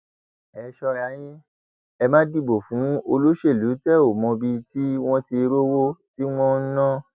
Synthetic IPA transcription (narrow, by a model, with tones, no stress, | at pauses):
ɛ˨˧ʃɔ˧ɾa˨˧˦j̃ĩ˦ | ɛ˧mãː˦di˦˨bo˨fũ˨˦o˧lo˦ʃe˦˨lu˨˦tɛ˦˨o˨mɔ̃˧bi˧ti˦w̃ɔ̃˦ti˧ɾo˦wo˦ti˦w̃ɔ̃˦n̩˦nã˦